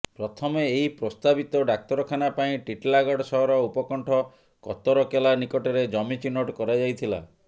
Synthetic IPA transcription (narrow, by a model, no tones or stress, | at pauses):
pɾɔt̪ʰɔmeːɦipɾɔst̪abit̪ɔɖak̚t̪ɔɾɔkʰanapaĩʈiʈlaɡɔɽsɔɦɔɾɔupɔkɔɳʈʰɔ | kɔt̪ɔɾɔkelanikɔʈɔɾed͡ʒɔmit͡ʃinoʈkɔɾad͡ʒajt̪ʰila̰